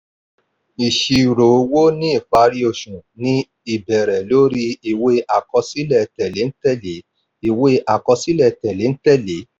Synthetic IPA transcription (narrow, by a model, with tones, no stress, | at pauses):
i˨ʃi˧˨ɾo˨˧˦wo˦nĩ˦i˦˨k͡pa˧ɾi˧o˧˨ʃũ˨nĩ˧ | i˨bɛ˨ɾɛ˨lo˨˦ɾi˧i˨we˧a˨kɔ˧si˦lɛ˦˨tɛ˨le˨˦n̩˦tɛ˦le˨˦ | i˨we˧˦a˨kɔ˧si˦lɛ˦˨tɛ˨le˨˦n̩˦tɛ˦˨le˨˦